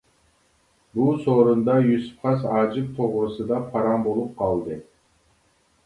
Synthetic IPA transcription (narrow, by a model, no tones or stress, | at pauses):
bulˠsoːɾund̪ɑjusu̥pqɑsɑd͡ʒɯp̚t̪ʰoʁɾusɨd̪ɑpʰɑɾɑmbo̞lˠup̚qʰɑlˠd̪ɯ